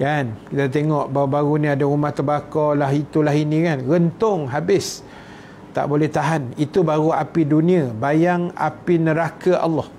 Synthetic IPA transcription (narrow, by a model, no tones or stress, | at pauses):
kankit̪at̪̬eŋɔʔbawabaɣunĩadaumaht̪əbakɔlaɦit̪ulaɦinĩkanɣənt̪ʊŋɦabɪs | t̪a̰ʔbolɛht̪aɦanit̪ubaɣuapidunĩabajaŋa̰pinəɾakaʔa̰lːɔh